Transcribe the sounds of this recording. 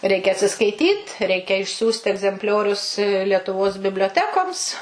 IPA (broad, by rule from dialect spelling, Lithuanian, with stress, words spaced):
ˈrʲɛɪkʲɛ ɐtʲsʲɪskɐɪˈtʲiːt ˈrʲɛɪkʲɛ ɪʃʲˈsʲuːsʲtʲɪ ɛɡzʲɛmʲpʲˈlʲoːrʲʊs lʲiɛtʊˈʋoːs bʲɪbʲlʲoːˈtʲæːkoːms